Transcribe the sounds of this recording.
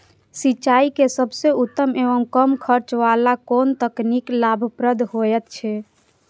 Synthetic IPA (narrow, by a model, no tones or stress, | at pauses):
sit͡ʃaikesəbʱseut̪ːəmeʋəmkəmkʰəɾt͡ʃʋalakont̪əkniklabʱəpɾəd̪ʱɦojɛt̪t͡ʃʰɛ